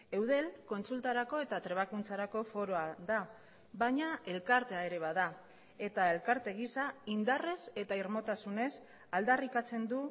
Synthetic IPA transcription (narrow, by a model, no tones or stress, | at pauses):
e̞wð̞e̞lko̞nt͡sult̪aɾako̞e̞t̪at̪ɾe̞β̞akunt͡saɾako̞fo̞ɾo̞aða | βajɲae̞lkaɾt̪eae̞ɾe̞β̞aða | e̞t̪ae̞lkaɾt̪e̞ɣ̞isaind̪are̞se̞t̪aiɾmo̞t̪asune̞s | ald̪arikat͡se̞nd̪u